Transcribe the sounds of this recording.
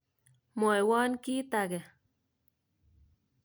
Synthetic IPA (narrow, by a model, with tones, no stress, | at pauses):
mo˨e˨waː˦nki˦t̪aɡe˨